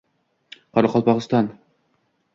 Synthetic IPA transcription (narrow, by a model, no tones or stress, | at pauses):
qʰɑɾɑqɑlˠpɑʁɨst̪ɑn